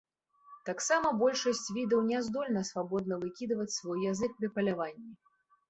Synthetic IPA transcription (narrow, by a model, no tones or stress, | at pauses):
t̪aksamɐbɔlʲʂɐsʲt͡sʲvʲid̪ɐwnʲɛzd̪ɔlʲnɐsvabɔd̪nɐvɨkʲid̪ɐvɐt͡sʲsvɔjːazɨk̚pɾʲipɐlʲavanʲːi